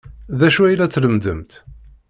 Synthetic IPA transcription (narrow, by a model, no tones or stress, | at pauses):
ðæʃuæjlæt͡sːləmd̪əmt̪